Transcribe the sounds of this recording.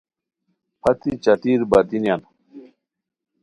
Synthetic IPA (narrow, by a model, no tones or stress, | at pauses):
pʰɐt̪it͡ʃɐt̪iɾbɐd̪injan